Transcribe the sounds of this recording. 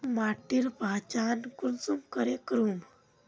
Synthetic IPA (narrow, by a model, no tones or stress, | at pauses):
maːʈiɾpaːt͡ʃaːnkunsumkəɾekɾum